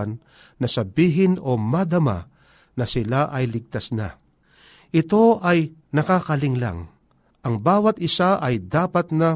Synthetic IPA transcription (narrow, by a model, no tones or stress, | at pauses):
nː | ɐsɐbiːɦɪno̞mɐd̪ɐma̰ | nɐsɪlaʔɐjlɪɡ̚t̪asna̰ | ʔɪt̪o̞ʔɐjnɐkakɐlɪŋla̰ŋ | ʔɐŋbaːwɐt̪̚ɪsaʔɐjd̪aːpɐt̪̚nɐ